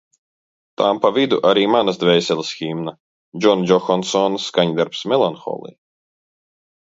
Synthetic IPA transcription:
t̪aːmpavid̪uʔaɾiːmanazd̪vʲɛjsʲɛlʲˠsxiːmna | d͡ʒɔnd͡ʒɔxɔnsɔnsːkaɲd̪aɾpsmɛlˠɔnxɔ̰ːlˠḭː

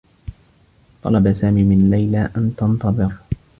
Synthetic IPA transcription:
t̪ˤɑ̰lɑbasaːmiːmɪnlajlaːʔant̪ɑnt̪ɑðˤɨɾ

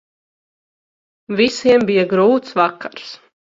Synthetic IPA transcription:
visiɛmbijaɡɾuːt̪svakːaɾs

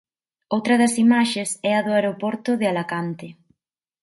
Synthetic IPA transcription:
owt̪ɾɐðɐsimaʃesɛɐðʊaɾopɔɾt̪ʊðɪalakant̪ɪ

